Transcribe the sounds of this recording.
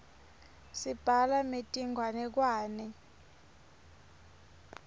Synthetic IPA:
sib̥ʱalametʼiŋɡʱwanɛk̬waːnɛ

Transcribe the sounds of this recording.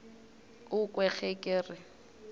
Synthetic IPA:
ʊkʼwɛk͡xɛkʼɪːrɪ

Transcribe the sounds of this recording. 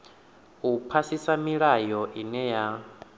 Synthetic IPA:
upʰasisamiɺajɔʔinɛja

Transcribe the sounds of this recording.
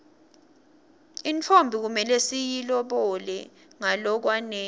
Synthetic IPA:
int͡fʰombʱik̬umɛlesijilɔɓɔlɛ | ŋalɔk̬wanɛː

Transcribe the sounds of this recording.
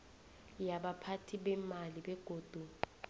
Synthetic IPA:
jaɓapʰatʰiɓɛmaliɓɛɡ̥ʱoːd̥ʱu

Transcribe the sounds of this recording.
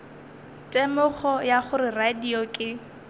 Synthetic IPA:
tʼɛmʊχɔjaχʊɾɪradiɔkʼɪ

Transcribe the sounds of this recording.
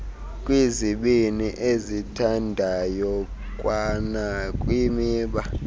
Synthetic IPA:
kʼwiziɓiniʔezitʰandʱajɔ | kʼwanakʼwimiːɓa

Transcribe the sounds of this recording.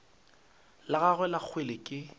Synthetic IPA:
laɣaɣwɛlak͡xʰwelɪkʼɪ

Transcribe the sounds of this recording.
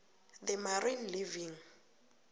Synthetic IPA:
ðɛmarinliviŋ̩

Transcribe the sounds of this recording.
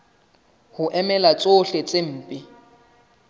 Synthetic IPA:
hʊʔɛmɛlat͡sʼoɬet͡sʼem̩ːpʼɪ

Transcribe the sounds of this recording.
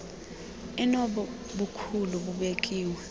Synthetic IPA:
inɔɓɔ | ɓukʰuluɓuɓek̬ʼiːwɛ

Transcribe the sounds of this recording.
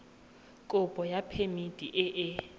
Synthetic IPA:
kʼʊpʼɔjapʰemid̥ʱʼiʔɛʔɪ

